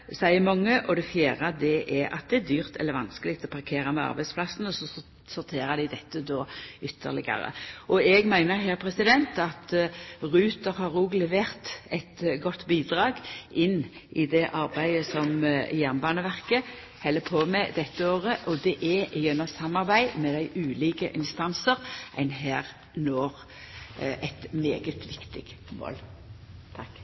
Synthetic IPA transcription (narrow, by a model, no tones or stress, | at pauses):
sæɪəmɑŋːəʔɔd̪ɛfjæːɾɑd̪ɛʔɛɑ̰t̪̚d̪ɛæd̪yːʁt̪ʰɛ̰lːəɾʋɑnskəlɪk̚t̪ɔpʰɑʁkʰeːɾɑmɛɑ̰ɾbæɪspʰlɑsn̩ɔsɔ | sʊɾt̪ʰeːɾəd̪ɪd̪ɛt̪ːəd̪oːʏt̪ʰːə̰ɾlɪ̰ɡɑ̰ɾə̰ʔɔɛɡmæɪnəɾɦɛːʁpʰɾɛsɪd̪ɛnt̪ɑt̪ʁʉːt̪əɾhɑɾuːɡlɛʋeːʁt̪ɛɪt̪ɡɔt̪ːbiːd̪ʁɑːɡʔɪnːʔɪd̪ɛʔɑʁbæɪəsɔmjæʁnbɑːnəʋæʁkə | hɛlːəpʰoːmɛd̪ɛt̪ːəoːʁəʔɔd̪ɛʔɛjɛnːəsɑmːɑʁbæɪmɛd̪æɪʔʉːliːkəʔɪnst̪ɑnsəʁʔæɪnɦæːʁ | noːʁ | ʔæɪt̪mḛːɡət̪ʰʋɪkt̪ɪ̰ɡ̥mo̰ːlt̪ʰɑkː